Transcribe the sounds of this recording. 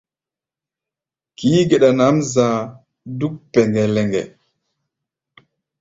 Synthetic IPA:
ki˨˦ɡe˨ɗa˨na˨˦mzã˨ | du˦k̚pɛ˨ŋɡɛ˨lɛ˨ŋɡɛ̰˨

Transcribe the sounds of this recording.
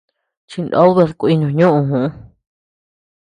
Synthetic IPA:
t͡ʃi˧nd̪o̰˦lβe˧ðku˧i˧ɲũ˧ɲũ˦ʔũ˧ɦũ˧˦

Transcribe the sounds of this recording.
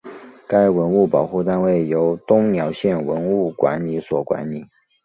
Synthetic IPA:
ka˥ɪwə˧˦˥nu˥˩pɑ˨˩ʊxu˥˧t̪a˥˧nwe˥˩ɪjo˧˥ʊt̪ʊ˥ŋnjɑ˨˧˥ʊɕjɛ˥˩nwə˧˥nu˥˩kwa̰˧˥nli˧˥swɔ˨˩kwa̰˧˦nli˨˩˦

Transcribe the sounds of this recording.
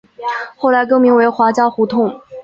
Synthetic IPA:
xo˥˩ʊla˧˥ɪk̬ɤ˥˧ŋmi˧˥ŋwe˧˥ɪxwa˧˥t͡ɕjɑ˥ʊxu˧˥t̪ʰʊ˥˩ŋ

